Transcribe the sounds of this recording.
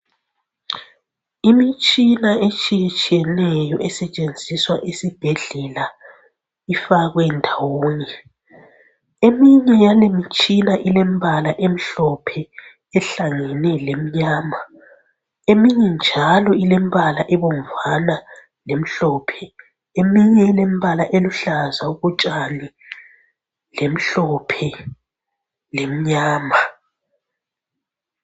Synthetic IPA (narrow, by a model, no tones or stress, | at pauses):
imit͡ʃʼinaʔet͡ʃʼijet͡ʃʼijɛnɛjɔʔɛsɛt͡ʃʼend͡zʱiswaʔesib̥ʱeɮɛla | ifaɣwɛndʱawoːni | emiɲɛjalemit͡ʃʼinaʔilɛm̩bʱalaʔem̩ɬɔpʰɛ | ɛɬaŋɛnɛlem̩ɲaːma | emiɲɛnd͡ʒʱalɔilem̩βalaʔɛβom̩vana | lem̩ɬɔpʰɛ | emiɲɛilem̩βalaʔeluɬazauɣut͡ʃʼani | lem̩ɬɔpʰɛ | lem̩ɲaːma